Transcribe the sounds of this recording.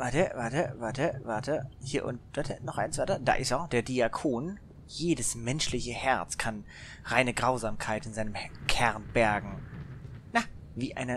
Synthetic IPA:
vaɐtəvaɐtəvaːɐtəvaɐtʰəhiːɐʔʊ̰nt̚v̥atʰənɔχʔaɪnt͡sv̥atɐd̥a̰ːʔɪsɔd̥eːɐdiːakʰoːn | jeːdəsmɛnʃlɪçəhɛɐt͡skʰan | ʁaɪnəɡʁaʊzaːmkʰaɪtɪnzaɪnəmkʰɛʁnb̥ɛɐɡŋ̩ | naviːʔa̰ɪnə

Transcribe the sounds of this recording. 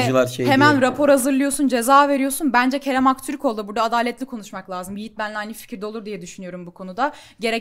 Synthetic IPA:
lˠaɾʃehemænɾapʰo̞ɾhazɯɾlˠɯjo̞sund͡ʒe̞zaːve̞ɾijo̞sunbænd͡ʒɛcʰe̞ɾɛmakt̪ʰyɾykʰo̞lˠd̪ubuɾd̪aːd̪aːlʲɛt̪lʲikʰo̞nuʃmaklˠʲaːzɯmijit̪̚bænlʲajnifi̥cʰiɾd̪ɛolˠuɾd̪ijɛd̪yʃynyjo̞ɾumbukʰo̞nud̪a | ɟe̞ɾɛ

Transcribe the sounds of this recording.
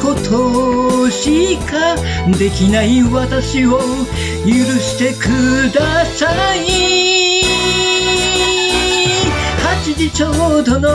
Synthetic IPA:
ko̞t̪ʰoɕika | d̪e̞kʲinaiβat̪aɕio̞ | jɯɾɯ̟ɕi̥t̪e̞kɯd̪asai | hat͡ɕid͡ʑit͡ɕod̪o̞no

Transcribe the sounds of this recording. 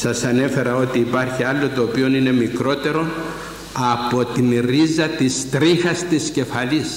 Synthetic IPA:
sɐsɐne̞fe̞ɾɐo̞t̪iːpɐɾçiɐlːo̞t̪oːpio̞nine̞mikɾo̞t̪e̞ɾo̞ | ɐpo̞t̪inɾizɐt̪ist̪ɾixɐst̪isce̞fɐlis

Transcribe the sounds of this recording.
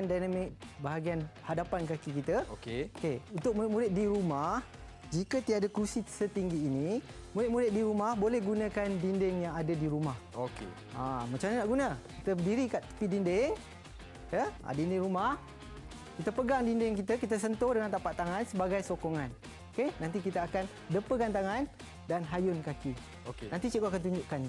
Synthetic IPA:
ndajnamɪk̚baɦaɡianhadapankakikit̪əokeokeunt̪ʊk̚muɾɪt̪̚muɾɪt̪̚diɾumah | d͡ʒikət̪idaʔdakɾusisət̪iŋɡiːni | muɾɪt̪̚muɾɪt̪̚diɾumahbolɛhɡunəkandindɪŋjaŋadadiɾumahokḛ | amat͡ʃamɲanaʔɡunəkit̪ədiɾikaʔpidindɪŋ | jəʔa̰dindɪŋɾumah | kit̪əpəɡaŋdindɪŋkit̪əkit̪əs̬ənt̪odəŋant̪apaʔt̪ːaŋansəbaɡajsokoŋan | okenãnt̪ik̬it̪əakan | dəpəkant̪aŋan | danɦajʊnkaki | okenãnt̪it͡ʃiɡoakant̪̬uɲd͡ʒʊʔkan

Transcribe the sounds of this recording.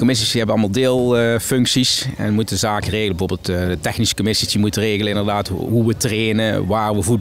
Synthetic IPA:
komɪs̬isiɦɛbənɑlˠmɑlˠdɪːlˠfɵŋksisɛ̰nmutzaːkəreːɣləbəvoːbeːlˠtːdətɛxnisə̥komɪsisdimutəreːɣələnɪndərdaːtɦuʋətreːnəʋaːrʋəvu

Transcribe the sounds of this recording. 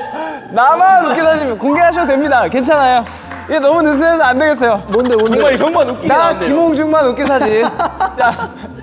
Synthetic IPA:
namanok͈esʰad͡ʑikoŋɡeɦaɕʰiɡodwemɲidake̞nt͡ɕʰanajo | ienʌmunes̬ʰɯnas̬ʰʌandeɡe̞ts͈ʌjoondeoaɡʌŋmanoknakimoŋd͡ʑuŋmanok͈esʰad͡ʑit͡ɕa

